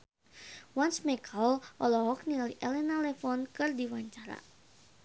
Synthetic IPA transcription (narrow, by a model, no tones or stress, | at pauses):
wansmɛkʰalʔɔlɔɦɔk̚nialiʔɛlɛnalɛfɔnkɨrdiwaɲt͡ʃaɾa̰